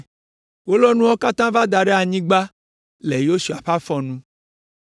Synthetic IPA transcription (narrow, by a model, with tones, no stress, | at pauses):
wo˦lɔ˦nũ˦wɔ˦ka˦t̪ã˦va˦d̪a˨ɖe˦a˨ɲĩ˦ɡ͡ba˦ | le˨jo˦su˨a˨ɸa˦fɔ˨nũ˦